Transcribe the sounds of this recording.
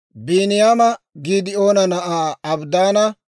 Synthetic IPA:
biːnɪjaːmɐ | ɡiːd̪ɪo̞ːnɐnɐʔaːɐbd̪aːnɐ

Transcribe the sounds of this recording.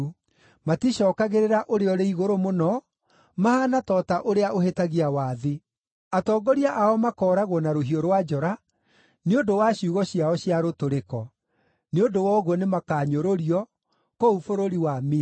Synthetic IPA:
matiɕɔːkaɣeɾeɾaʔoɾeɔɾeiɣoɾomonɔ | mahanatɔːtaʔoɾeaʔohetaɣiawaːðe | atɔːɡɔɾiaʔaɔmakɔːɾaɣwɔnaɾoɦioɾwad͡ʒɔɾa | neondowaɕiuɣɔɕiaɔɕiaɾotoɾekɔ | neondowɔɣwɔnemakaːɲoɾoɾiɔ | koufoɾoɾiwami

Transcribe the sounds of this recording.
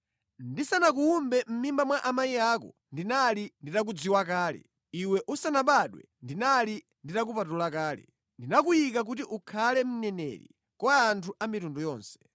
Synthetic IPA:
ndisanak̬uːmbɛm̩mimbamwaʔamaiaːkɔ̰ | ndinalinditak̬ud͡ziwakaːlɛ̰ | iwɛʔusanaɓaɗwɛ̰ndinali | nditak̬upatulakaːlɛ̰ | ndinak̬ujik̬ak̬utiʔukʰalɛm̩nɛnɛ̰ɾḭ | kwaːntʰuʔamitundɔjɔːnsɛ̥

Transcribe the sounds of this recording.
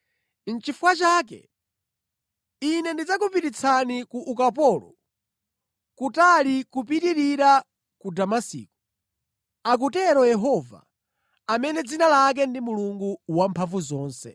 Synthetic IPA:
n̩t͡ʃifuwat͡ʃaːk̬ɛ̰ | inɛndid͡zak̬upitit͡sʰanikuʔukapɔːlɔ̰ | kutalikupitiɾiɾa | kudamasḭːku | ak̬utɛɾɔjɛɦɔva̰ː | mɛnɛd͡zinalak̬ɛndimuluŋɡuwampʰaɱvuzɔːnsɛ̰

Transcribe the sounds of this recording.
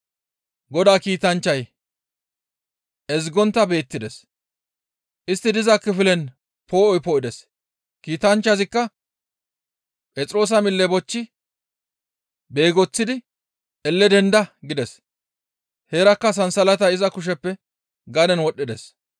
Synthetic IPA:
ɡɔd̪aːkiːt̪ɐnt͡ʃːɐj | ʔɛzɡɔnt̪ːɐbe̞ːt̪ːɪd̪ɛs | ʔɪst̪ːɪd̪ɪzɐkːɪfɪlɛn | pʰo̞ːʔɔjpɔʔɪd̪ɛs | kiːt̪ɐnt͡ʃːɐzɪkːɐ | pʼɛt͡sʼɾo̞ːs̬ɐmɪlːɛbɔt͡ʃːɪ | be̞ːɡɔt͡sːɪd̪ɪ | ʔɛlːɛd̪ɛnd̪ɐɡɪd̪ɛs | heːɾɐkːɐs̬ɐnsɐlɐt̪ɐɪzɐkʊʃ̬ɛpːɛ | ɡɐd̪ɛnwɔɗːɪd̪ɛs

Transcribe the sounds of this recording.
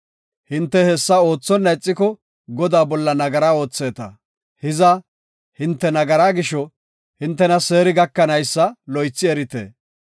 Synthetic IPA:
hɪnt̪ːɛhɛsːɐo̞ːt͡sːɔnːɐjt͡sʼːɪkɔ | ɡɔd̪aːbɔlːɐnɐɡɐɾaːo̞ːt͡sːe̞ːt̪ɐ̰ | hɪzɐ | hɪnt̪ːɛnɐɡɐɾaːɡɪʃɔ | hɪnt̪ːɛnɐse̞ːɾɪɡɐkːɐnɐjsːɐlɔjt͡sːɪɛɾɪt̪ḛː

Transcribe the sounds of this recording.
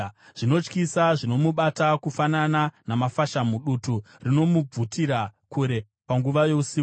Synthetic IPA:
ʐ̥ino̞t͡ʃkisaʐino̞muɓatakufanananamafaʃamuɗutu | rino̞mub͡vutiɾakuɾe̞ | paŋɡuʋajo̞usiːk

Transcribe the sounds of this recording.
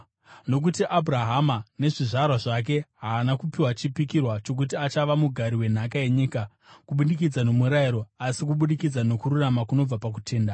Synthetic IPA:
no̞k̬utiʔabʱuraɦamane̞ʐiʐarwaʐak̬e̞ɦaːnakupiwat͡ʃipikirwat͡ʃo̞k̬utiat͡ʃaʋamuɡʱaɾiwe̞n̤akae̞ɲiːka | kuɓuɗik̬id͡zano̞muɾaiɾo̞asik̬uɓuɗikid͡zano̞kuɾuramakuno̞b͡vapak̬utʰe̞ːnda

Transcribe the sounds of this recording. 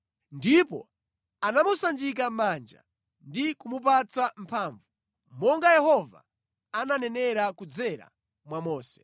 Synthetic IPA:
ndipɔ̰ | anamusand͡ʒik̬amand͡ʒa̰ | ndikumup̬at͡sam̩pʰaːɱvu | mɔŋɡajɛhɔva̰ | ananɛnɛɾakud͡zɛɾa̰ | mwamɔːsɛ̥

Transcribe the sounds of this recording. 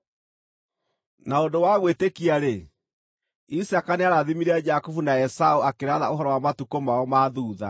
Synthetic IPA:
naondowaɣwetekiaɾe | isakaneaɾaðimiɾead͡ʒakufunaɛsauakeɾaðaoɦɔɾɔwamatukomaɔmaðuːða̰

